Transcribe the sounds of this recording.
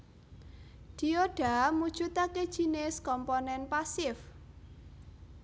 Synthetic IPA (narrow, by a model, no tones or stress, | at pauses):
d̪̥i̤oɖ̥a̤mud̥ʒ̥ut̪aked̥ʒ̥i̤neskɔmpɔnɛnpasɪf